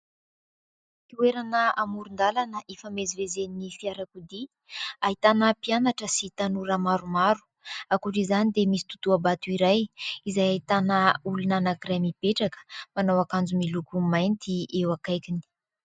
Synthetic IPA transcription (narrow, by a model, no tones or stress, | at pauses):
kiweɾanəamuɾund̪alanəʔefəmezivezeninifiaɾakud̪i | aɦit̪anəpianaʈ͡ʂəsit̪anuɾamaɾumaɾu̥ | akuʈ͡ʂizanid̪emisi̥t̪ut̪uabat̪uiɾajizajaɦit̪anəulunanakiɾajmipeʈ͡ʂakə̥manawakand͡zumilukumajnt̪iewakajkini̥